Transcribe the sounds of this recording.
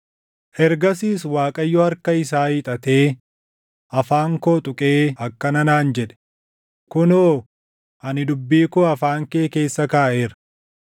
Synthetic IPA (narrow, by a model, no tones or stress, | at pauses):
hɛɾɡɐs̬iːswaːkʼɐjːɔhɐɾkɐɪs̬aːiːt̪ʼɐt̪e̞ː | ʔɐfaːŋkoːt̪ʼʊkʼeːɐkːɐnɐnaːnd͡ʒɛᶑɛ̥ | kʊnoː | ʔɐnɪd̪ʊbːiːkoɐfaːŋkeːke̞ːsːɐkaːʔe̞ːɾɐ